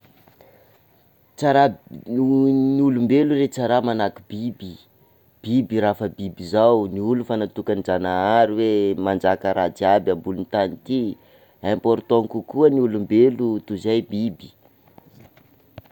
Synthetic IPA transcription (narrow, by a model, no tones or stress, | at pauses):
t͡saɾa | nulumbeluret͡saɾamanakub̥ibi | b̥ibiɾafəbibizawniulufanat̪ukanid͡ʒanaaɾiwemand͡ʒakəɾʔat͡siabʲambulunt̪anit̪i | ampoɾt̪oŋkukuəniulumbelut̪uzajbibi